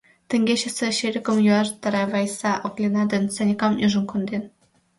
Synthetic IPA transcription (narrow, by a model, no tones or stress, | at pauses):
t̪ɘ̆ŋɡʲeɕɘ̆sĕɕeɾʲɘkə̆mjuɑrt̪ɑ̆ɾɑvɑjsɑʔoklʲenɑd̪ʲɘ̆nsɑnʲikɑmuʒɤ̆nkŏnd̪en